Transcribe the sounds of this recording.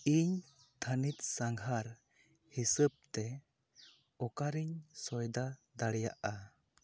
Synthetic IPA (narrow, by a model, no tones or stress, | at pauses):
iɲ | t̪ʰanit̪̚saŋɡʱɦaɾ | hisəp̚t̪ɛ | ɔkaɾiɲsɔjd̪ad̪aɽɛja̰ʔa